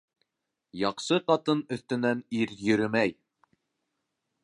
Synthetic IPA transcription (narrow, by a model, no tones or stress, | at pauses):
jɑqʃɤqɑt̪ɤnɵ̆θt̪ɘ̆næniɾjɵ̆ɾɘmæj